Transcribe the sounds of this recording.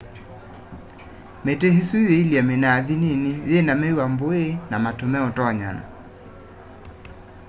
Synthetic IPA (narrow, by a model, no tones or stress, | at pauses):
mɛtɛɦisuijeiliamɛnaːðininijɛnamɛiwamboenamatumɛɔtɔaɲa̰na̰